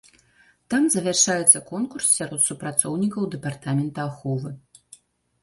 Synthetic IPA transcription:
t̪amzɐvʲarʂajɛt̪sːɐkɔnkurssʲaɾɔt̪supɾat̪sɔwnʲikɐwd̪ɛpart̪amʲɛnt̪ɐaxɔvɨ

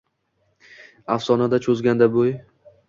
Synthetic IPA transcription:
afsɒnad̪at͡ʃʰɵzɡʲand̪aboj

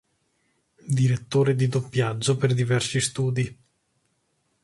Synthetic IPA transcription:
d̪iɾet̪ːoːɾed̪id̪opːjad͡ʒːoperd̪ivɛrsist̪uːd̪i

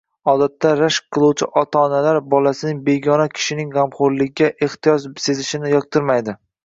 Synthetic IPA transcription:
ɒd̪at̪ːaɾaʃq̚qʰɨlˠuwt͡ʃʰɪʔɒt̪ʰaːnalaɾbɒlasɪnɪŋbe̞ɡʲɒnakʲʰɪ̥ʃɪnɪŋʁamχʊɾlɪɡʲɡʲaʔeχt̪ɪjɒd͡ʒbɪsezʰɪʃɪnɪjɒk̚t̪ʰɨɾmajd̪ɪ

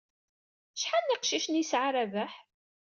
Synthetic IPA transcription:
ʃħanːiqʃiʃnisʕaɾævæħ

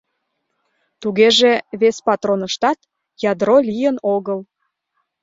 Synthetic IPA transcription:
t̪uɣeʒeβespɑt̪ronəʃt̪ɑt̪ | jɑd̪rolʲijənoɣəl

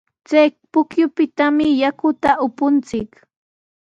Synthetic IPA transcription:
t͡sajpʊkjʊpɪt̪amɪjakʊt̪aʔʊpʊnt͡sɪk

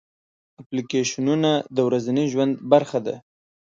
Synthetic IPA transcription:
aplikeʃununad̪əwɾazaniʒwand̪baɾxad̪a̰

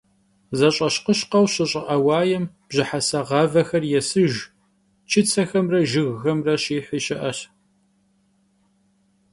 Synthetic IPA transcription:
zɐɕʼɐɕqəɕqɐwɕɪɕʼɪʔɐwɑːjɛm | b̥ʑɪħasɐʁɑvɐxɐrjɛsɨʒ | t͡ʃʰɪt͡sʰɐxɐmrɐʒɪɣːɐmrɐɕiːħiʃɪʔɐɕ

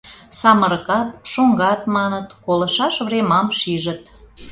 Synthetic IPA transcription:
sɑməɾəkɑt̪ʃoŋɡɑt̪mɑnət̪kolə̆ʃɑʃvremɑmʃiʒət̪

